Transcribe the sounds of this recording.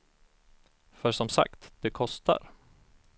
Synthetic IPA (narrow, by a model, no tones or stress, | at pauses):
fœʂɔmsa̰kt̪d̪̥ɛkʰɔst̪a̰ɾ